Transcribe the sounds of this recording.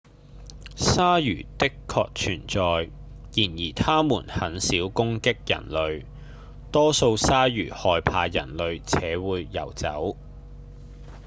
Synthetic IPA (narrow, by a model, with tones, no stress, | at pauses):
saː˥jyː˨˩t̪ɪ˥kʰːɔ̰ː˧k̚t͡ʃʰyː˨˩nt͡sɔː˨˧j | jiː˨˩njiː˨˩t̪ʰaː˥muː˨˩nhɐ˨˥nsiː˨˥wkʊ˥ŋkɪ˥k̚jɐ̰˨˩nlɵ˨˧ɥ | t̪ɔː˥so˧wsaː˥jyː˨˩hɔː˧jpʰaː˧jɐ̰˨˩nlɵ˨˧ɥt͡sʰɛː˨˥wuː˨˧jːɐ̰˨˩wt͡sɐ̰˨˥w